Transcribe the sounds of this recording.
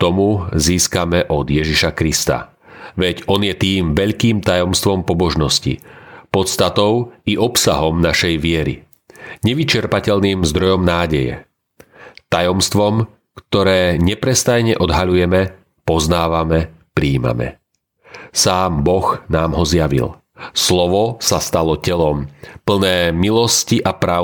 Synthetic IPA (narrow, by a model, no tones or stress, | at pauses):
t̪ɔmuziːskamɛʔɔd̪jɛʒiʃakɾist̪a̰ | ʋɛɟɔnjɛt̪iːmʋɛʎkiːmt̪ajɔmst̪ʋɔmpɔbɔʒnɔscḭpɔt̪st̪at̪ɔʊiʔɔpsaɦɔmnaʃɛjʋɪɛɾḭ | ɲɛʋit͡ʃɛɾpacɛʎniːmzd̪ɾɔjɔmnaːɟɛjɛ̰ | t̪ajɔmst̪ʋɔm | kt̪ɔɾɛːɲɛpɾɛst̪ajɲɛʔɔd̪ɦaʎujɛmɛ | pɔznaːʋamɛ | pɾiːma̰mɛ̰ | saːmbɔxnaːmɦɔzjaʋḭl | slɔʋɔsast̪alɔcɛlɔmpl̩nɛːmilɔsciʔapɾa